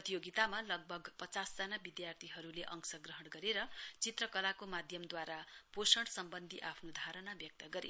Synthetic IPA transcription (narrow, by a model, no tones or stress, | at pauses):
ʌt̪ijoɡit̪amalʌɡ̚bʱʌɡpʌt͡sasd͡zanabid̪jart̪ʰiɦʌɾuleʔʌŋsʌɡrʌɦʌɽɡʌɾeɾʌt͡sit̪rʌkʌlakomad̪ʱjʌmd̪waɾaposʌɽsʌmbʌnd̪ʱiʔapʰnod̪ʱaɾʌnabjʌk̚t̪ʌɡʌɾḭ